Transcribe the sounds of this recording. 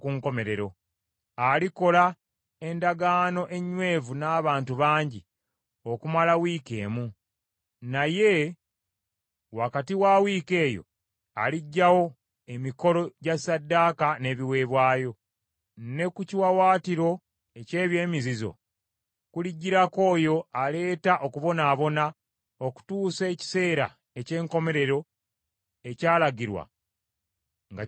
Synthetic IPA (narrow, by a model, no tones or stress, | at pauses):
kuŋko̞me̞ɾe̞ɾo̞ | aliko̞la | e̞ndaɡaːno̞ʔe̞ɲːwe̞ːvunaːβaːntuβaːɲɟi | o̞kumalawiːke̞̰ːmu | naje̞ | wakatiwaːwiːke̞ːjo̞̰ | a̰liɟːawo̞ | e̞miko̞lo̞ɟasːadːaːkane̞βiwe̞βwaːjo̞ | ne̞kuciwawaːtiɾo̞ | ece̞ːβje̞ːmizizo̞̰ | kuliɟːiɾako̞ːjo̞ale̞ːtaʔo̞kuβo̞naːβo̞na | oku̥tuːse̞ːci̥se̞ːɾa̰ | ece̞ːŋko̞me̞ɾe̞ɾo̞ | ecaːlaɡiɾwa̰ | ŋɡa